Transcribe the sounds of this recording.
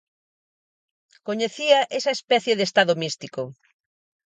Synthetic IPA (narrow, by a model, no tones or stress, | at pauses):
koɲeθiɐʔesɐespɛθjeðest̪aðomist̪iko